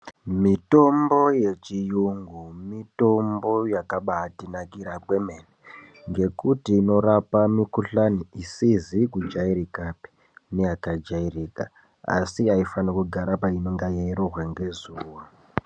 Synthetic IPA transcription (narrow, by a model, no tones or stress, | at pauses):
mito̞mbo̞je̞t͡ʃijuŋɡumito̞mbo̞jakaɓaːtinakiɾakwemene | ŋɡe̞kutiːno̞ɾapamikuɬaniisizikud͡ʒaiɾikapi̥ | neakad͡ʒairiːka̰ | a̰siaifanakuɡʱaɾapainoŋɡajeiɾorwaŋɡe̞zuːwo